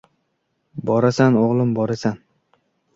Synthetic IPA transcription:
bɒɾasanoʁlˠɪmbɒɾasan

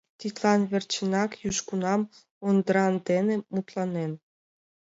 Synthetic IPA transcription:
t̪it̪lɑnβert͡ɕənɑkjuʃkunɑm | ond̪əɾɑnd̪enĕmut̪lɑnen

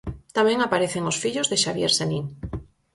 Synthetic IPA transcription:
t̪amẽŋapaɾeθeŋosfiʎozðeʃaβjeɾsenĩŋ

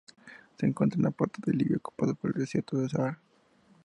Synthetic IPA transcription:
seːŋkwent̪ɾaenapweɾt̪oðeliβjooku̥paðopoɾelðesjeɾt̪oðesaaɾ

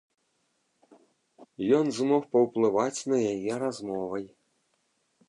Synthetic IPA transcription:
jɔnzmɔxpɐwplˠɨvat͡sʲnɐjajɛɾazmɔvɐj

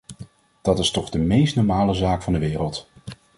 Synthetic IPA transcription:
d̥ɑtɪstɔχdəmejstnɔɹmaːləzaːkfɑndəʋɪːrəlˠt

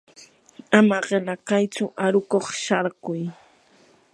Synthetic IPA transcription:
amaɢɪlakajt͡sʊʔaɾʊkoχʃɑɾɢʊj

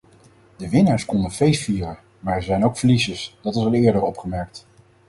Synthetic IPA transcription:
dəʋɪnaːɹskɔndəvejsfiːrən | maːɹzɛjnowkfəɹlisəsd̥ɑtɑsɑlˠɪːɹdəɹɔpχəmɛɹk̚t

